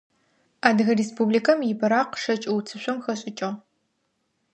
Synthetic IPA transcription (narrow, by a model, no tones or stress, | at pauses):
aːdɨɣɐreːspublikʰɐmjɪbɐɾaːqʂɐt͡ʃʼɐwt͡sʰɨɕʷɔmxɐɕʼɪt͡ʃʼɐʁ